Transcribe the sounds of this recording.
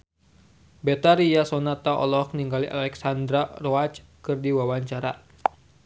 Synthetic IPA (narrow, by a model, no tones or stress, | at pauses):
bɛt̪aɾijasɔnat̪aʔɔ̰lɔkniŋɡaliʔalɛksand̪ɾarɔat͡ʃ | kɨrdiwawaɲt͡ʃaɾa̰